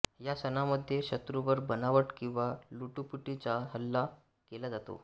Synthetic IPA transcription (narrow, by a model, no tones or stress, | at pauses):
jasənaməd̪ʱːjeɕət̪ɾuʋəɾbənaʋəʈkĩw̃ʋaluʈupiʈit͡saɦəlːa | kelad͡zat̪o̰